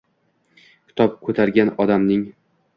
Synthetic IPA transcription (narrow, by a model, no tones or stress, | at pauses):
kʲʰɪ̥t̪ʰɒp̚kʰɵt̪ʰaɾɡʲanɒd̪amnɪŋ